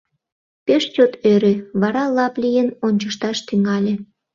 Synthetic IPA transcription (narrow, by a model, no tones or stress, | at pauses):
peʃt͡ɕot̪øɾeβɑɾɑlɑplʲijənonʲt͡ɕəʃt̪ɑʃt̪yŋɑlʲĕ